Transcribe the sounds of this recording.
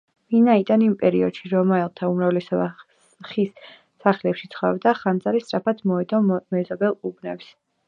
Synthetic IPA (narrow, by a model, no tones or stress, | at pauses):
vinaid̪animpʼɛɾiɔd̪̥ʃiɾɔmaɛlˠt̪ʰaumɾavlɛsɔba | χisː | aχlɛpʃit̪sʰχɔɛbd̪aχand̪zaɾist̪ʼɾapʰat̪ʰmɔɛd̪ɔmɛzɔbɛlˠubnɛps